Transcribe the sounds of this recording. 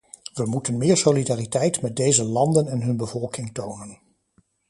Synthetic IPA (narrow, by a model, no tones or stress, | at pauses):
ʋəmutənmɪːɹsolidaːritɛjtmɛt̚dejzəlɑndənɛnɦɵnbəvɔlˠkɪŋtownən